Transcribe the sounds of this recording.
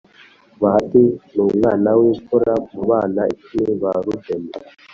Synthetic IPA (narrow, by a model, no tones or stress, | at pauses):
βatinuŋaːnawikuɾamuβaːnait͡ʃiniβaɾudena